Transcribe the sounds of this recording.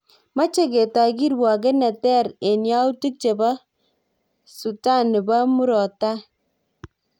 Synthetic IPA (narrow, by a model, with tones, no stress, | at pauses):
ma˦t͡ʃe˦ɡe˨ta˨ɡi˦ɾwa˨ɡ̬e˦nɛ˨tɛ˦˨ɾe˨nja˦u˦tu˦k̚t͡ʃe˨ba˦ | su˨ta˦˨ne˨ba˦mu˦ɾɔ˨ta˦